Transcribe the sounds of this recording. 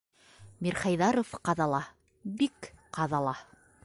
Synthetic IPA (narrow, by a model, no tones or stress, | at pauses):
miɾχɑjðɑɾofqɑðɑlˠɑ | bikqɑðɑlˠɑ